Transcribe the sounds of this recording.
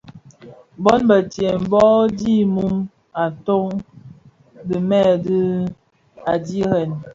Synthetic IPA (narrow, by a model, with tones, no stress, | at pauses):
bɔ˦nbə˨tje˨m̩˨bɔ˦di˦mu˦m | a˨to˦ŋ | də˨mɛ˦˨də˦ | a˨di˦ɣɛ˨n